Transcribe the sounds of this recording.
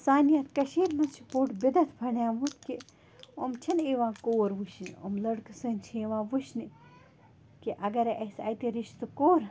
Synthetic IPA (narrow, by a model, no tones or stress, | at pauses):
saːnjɐt̪kɐʃiːɾmɐt͡ʃʰipoːʈbid̪ɐt̪ʰbʱɐɳjãːʋut̪ki | omt͡ʃʰɐneːʋãːkoːɾʋuʃnio̰mlɐɽksɐnʲt͡ʃʰieːʋãːʋuʃni | kiʔɐɡɐɾʔɐsa̰ːjt̪iɾiʃt̪ukoːɾ